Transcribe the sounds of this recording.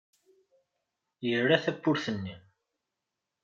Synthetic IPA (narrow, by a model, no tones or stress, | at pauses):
jərːæθæbːʊɾθənːi